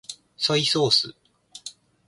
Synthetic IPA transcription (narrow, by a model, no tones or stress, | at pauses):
so̞iso̞ːsɨ̰